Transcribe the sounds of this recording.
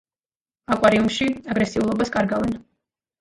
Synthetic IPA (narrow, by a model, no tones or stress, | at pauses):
akʼwaɾiumʃiaɡɾɛsiulˠɔbaskʼaɾɡavɛn